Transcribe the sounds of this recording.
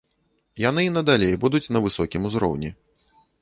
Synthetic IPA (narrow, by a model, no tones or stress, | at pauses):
jan̪ɨinɐd̪alʲejbud̪ut͡sʲnɐvɨsɔkʲimuzɾɔ̰wnʲi